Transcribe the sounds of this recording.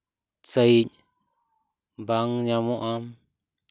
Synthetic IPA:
t͡səjɲ | baŋɲãmõʔãm

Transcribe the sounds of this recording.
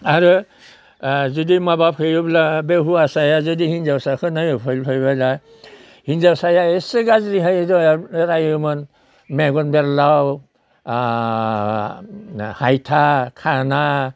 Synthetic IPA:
aɾu | zɔdimabapʰɯjɔblabeɦuasajazɔdihinzawsakʰɯnajɔpʰɔlpʰɔjbala | hinzawsajaesɯɡazɾiɦajdɔɾajɔmɔn | mɛɡɔnbɛɾlaw | hajtʰakʰana

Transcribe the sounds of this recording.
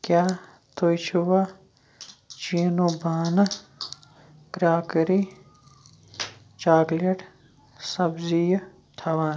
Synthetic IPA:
kjaː | t̪ʰojt͡ʃʰuwa | t͡ʃiːnubaːnɐ | ɡɾaːkəɾi | t͡ʃaːɡleʈ | sɐbzij | ʈʰɐʋaːn

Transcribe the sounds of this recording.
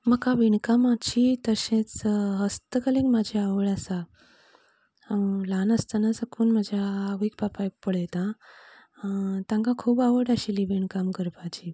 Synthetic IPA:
məkaʋiɳkamat͡ɕit̪əɕẽt͡sɦəst̪əkəlẽkmad͡ʑʱiaʋəɽasa | lanəst̪anasəkʰuːnmad͡ʑʱjaːʋik̚papajkpəɽet̪ã | t̪ãŋkãkʰuːbaʋəɽaɕiliʋiɳkamkəɾpat͡ɕi

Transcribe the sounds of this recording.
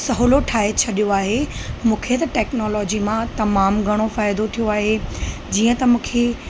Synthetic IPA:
sɐɦoloʈʰaːɦet͡ɕʰɐɗijoaːɦemũːkʰet̪ɐʈɛːknɔːlɔːd͡ʑimãt̪ɐmaːmɡʱɐɽ̃ofaːɪjd̪ot̪ʰijoaːɦed͡ʑiːə̃t̪ɐmũːkʰe

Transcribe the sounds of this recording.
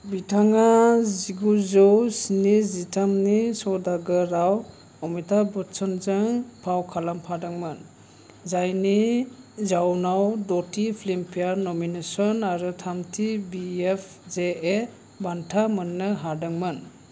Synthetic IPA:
bitʰaŋaziɡuzɔwsinizitʰamnisɔdaɡɯɾaw | ɔmitʰabɔtsɔnzɯŋpʰawkʰalampʰadɯŋmɯn | zajnizawnawdɔtipʰlimpʰijaɾnɔminesɔnaɾɯtʰamtʰibiepʰ | zee | bantʰamɯnːɯɦadɯŋmɯn

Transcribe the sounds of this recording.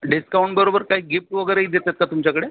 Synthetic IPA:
ɖiskauɳʈbəɾobəɾkaɦiːɡip̚ʈʋəɡəjɾeid̪et̪at̪̚kat̪umt͡ɕakəɽe

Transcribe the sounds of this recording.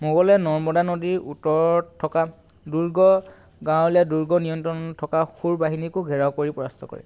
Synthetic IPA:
moɡɔlɛnɔɹmɔdanodiɹʔutɔɹtʰːɔka | duɹɡɔ | ɡãwljaduɹɡɔnijɔntɹɔntʰɔkaxuɹbaɦinikʊɡʱɛɹawkoɹipɔɹastʰɔkɔ̰ɹɛ̰

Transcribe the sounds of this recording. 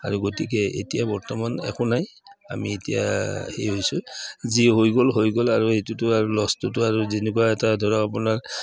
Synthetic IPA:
a̰ɹuɡotik̬ɛḛtijabɔɹtɔmanɛ̰kɔnaja̰mḭetija̰hejɦojsʊziɦojɡolɦojɡolaɹuetutʊaɹulɔstʊt̬ʊaɹuzenek̬uwaɛtadʱɔɹɔapunaɹ

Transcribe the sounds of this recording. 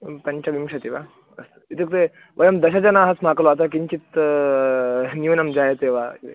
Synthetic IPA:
pɐɲt͡ɕaʋimʂat̪iʋa | ɐst̪it̪ik̚t̪e | ʋʔɐjɐmd̪ɐɕat͡ɕanaɦasm̤akloat̪akiɲt͡ɕit̪ | njunamd͡ʑajet̪eʋa

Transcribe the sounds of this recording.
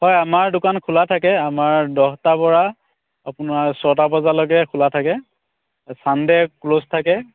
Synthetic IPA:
hɔjamaɹdʊkankʰulatʰakɛamaɹdɔhtapɔɹa | apʊnaɹsɔtabazalɔɡɛkʰʊlatʰakɛ | sandɛklostʰakɛ

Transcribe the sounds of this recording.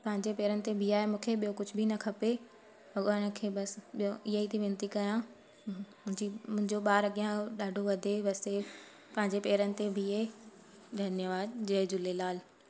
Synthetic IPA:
pɐ̃ɦɪ̃ɲd͡ʑepɛːɾənɪ̆t̪ebʱiaːɦemũːkʰeɓijokʊd͡ʑʱʊbʱinɐkʰɐpe | ɐɡəɽ̃ə̆kʰeːɓɐsɓijoʔɪɦait̪ʰiʋɪ̃nt̪ikɐjã | ʊ̃ɪ̃d͡ʑimʊ̃ɦɪ̃ɲd͡ʑoɓaːɾɐɠijãɗaːɖʱoʋɐd̪ʱeʋɐse | pɐ̃ɦɪ̃ɲd͡ʑepɛːɾənɪ̆t̪ebʱie | d̪ʱɐnjəʋaːd̪d͡ʑɐd͡ʑʊlelaːl

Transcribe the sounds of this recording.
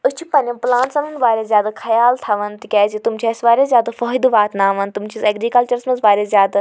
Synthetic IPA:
ʊt͡ʃʰupɐnɐplaːɳʈsɐmunʋaːɾʲezjaːd̪akʰɐjaːlt̪ʰɐʋɐnt̪ikʲaːzit̪umt͡ʃʰisʋaːɾʲezʲjaːd̪afɔːɦid̪ʋaːt̪naːʋɐnt̪ʊmt͡ʃʰizɐɡɾiːkɐlt͡ʃɐɾsmɐzʋaːɾʲezjaːd̪

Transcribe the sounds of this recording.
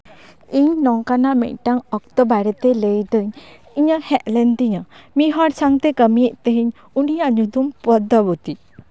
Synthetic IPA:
iɲnɔŋkanaʔmɛ̰ʔʈaŋɔk̚t̪ɔbaɾɛt̪ɛlejd̪ɔɲ | iɲəhɛʔ̪̚lɛnt̪iɲamiɦɔɽsaŋt̪ɛkəmijəʔt̪eɦiɲ | unijaʔɲud̪umpɔd̪abut̪i

